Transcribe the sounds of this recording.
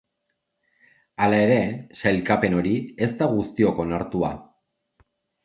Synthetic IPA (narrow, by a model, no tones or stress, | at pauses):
alae̞ɾe̞sajlkape̞no̞ɾie̞zt̪aɣust̪io̞ko̞naɾt̪ua̰